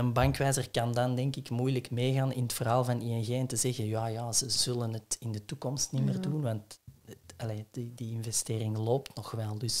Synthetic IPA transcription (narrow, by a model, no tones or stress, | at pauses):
ənbɑŋkʋɛːzərkɑndɑndɛŋkɪkmujləkmeːɣaːnɪnətfərɦɑːlˠvɑniɛnɣeːɛntəzɛɣənjaːjaːz̥əz̥ɵlənɦətɪndətukɔmstnɪmərdunʋɑnt | ɑleːd̥ədəɪnvɛsteːrɪŋloːptnɔxʋɛlˠdɵs